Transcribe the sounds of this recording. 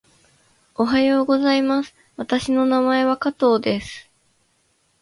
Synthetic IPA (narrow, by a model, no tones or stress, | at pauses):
o̞ɦajo̞ːɡo̞zaimasɨ̥ | βat̪aɕino̞namae̞βakat̪o̞ːd̪e̞sɨ̥